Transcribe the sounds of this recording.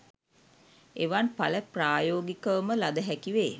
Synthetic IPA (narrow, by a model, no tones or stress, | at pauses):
eʋanpaləpraːjoːɡikəʋəməlad̪əɦækiʋeː